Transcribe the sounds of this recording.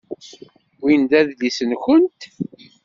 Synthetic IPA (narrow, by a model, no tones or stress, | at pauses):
wind̪æðlisənçənt̪